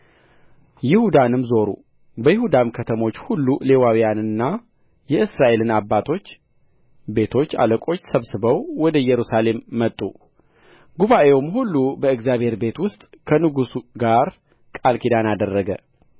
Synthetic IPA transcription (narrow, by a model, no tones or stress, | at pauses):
jɪhud̪anɨmzo̞ɾṵ | bəjɪhud̪amkʰət̪ʰəmo̞t͡ʃːhulːule̞wawijanɨnːa | jɛɨsɾaʔe̞lɨnabːat̪ʰo̞t͡ʃː | be̞t̪ʰo̞t͡ʃːa̰ləkʼo̞t͡ʃːsəβsɨbəwwɔd̪əjɛɾusale̞mːət̪ʼːu | ɡuβaʔe̞wumhulːubəɨɡzjaβhe̞ɾbe̞t̪wʊst̪ʼkʰənɨɡusuɡaɾ | kʼalkʰid̪anad̪ərːəɡə̰